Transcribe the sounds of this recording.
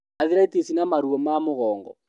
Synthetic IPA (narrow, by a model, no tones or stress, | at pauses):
aðiɾaitisinamaɾuɔmamʊɣɔːŋɡɔ̰